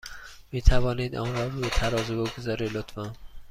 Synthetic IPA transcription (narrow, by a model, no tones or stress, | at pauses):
miːt̪ʰævɒːniːd̪ɒ̰ːnɾɒːɾbet̪ʰæɾɒːzuboɡozɒːɾilot̪fɒn